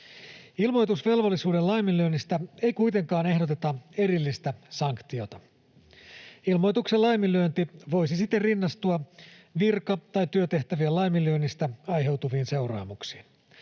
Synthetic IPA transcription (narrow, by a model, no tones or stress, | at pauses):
ilmo̞jt̪usʋe̞lʋolːisuːdelɑjmilyønːist̪æe̞jkujt̪e̞ŋkɑːne̞ɦdo̞t̪e̞t̪ɑe̞ɾilːist̪æsɑŋkt̪io̞t̪ɑ | ilmo̞jt̪ukselɑjmilyønt̪iʋo̞jsisit̪ːerinːɑst̪uɑʋirkɑt̪ɑjt̪yøt̪e̞ht̪æʋiælɑjmilyønːist̪æɑjɦe̞wt̪uʋiːnse̞wrɑ̰ːmuksi̥ːn